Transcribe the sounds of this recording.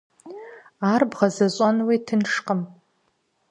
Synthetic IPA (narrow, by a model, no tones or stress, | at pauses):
arbʁazaɕʷʼanwitʰɨnʂqʼəm